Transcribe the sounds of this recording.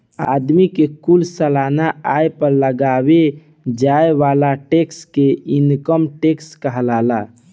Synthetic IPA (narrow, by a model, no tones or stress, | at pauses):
a̰d̪mikekulsəlanaajpəɾləɡaβe | d͡ʒaeʋalaʈekskeinkəmʈekskəɦəlala